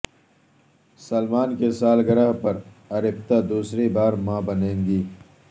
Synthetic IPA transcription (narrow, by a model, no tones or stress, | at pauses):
sɐlmaːnkesaːlɡɐɾaɦpɐɾ | ɐɾɪp̚t̪ad̪uːsɾebaːɾmãːbɐnẽːŋɡiː